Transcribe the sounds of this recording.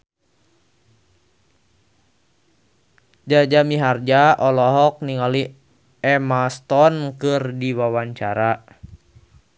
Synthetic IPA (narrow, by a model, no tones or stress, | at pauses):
d͡ʒad͡ʒamiɦard͡ʒaɔlɔɦɔk̚niŋali | ɛmast̪ɔnkɨrdiwawaɲt͡ʃaɾa